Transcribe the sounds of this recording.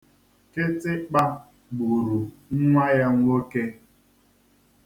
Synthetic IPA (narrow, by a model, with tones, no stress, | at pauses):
ke˦tɪ˦k͡pa˦ | bu˨ɾu˨ŋ̩˦ŋʷa˦ja˦ŋʷ˦o˦ke˦